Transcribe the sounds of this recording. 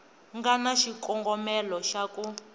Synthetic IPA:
ŋɡanaʃikɔŋɡɔmɛlɔʃaku

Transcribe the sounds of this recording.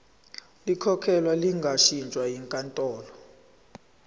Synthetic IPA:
likʰɔkʰɛlwaliŋɡʱaʃint͡ʃʼwajiŋkʼantʼɔːlɔ

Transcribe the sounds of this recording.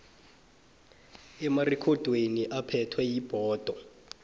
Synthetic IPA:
ɛmarɛkʰɔd̥ʱweniʔapʰɛtʰwɛjib̥ʱɔːd̥ʱɔ

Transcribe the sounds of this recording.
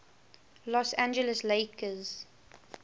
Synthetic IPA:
lɔsæ̃nd͡ʒələsleɪkəz̥

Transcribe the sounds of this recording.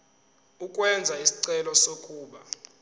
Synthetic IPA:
ukʼwɛnd͡zʱaisi̥ǀɛlɔsokʼuːɓa

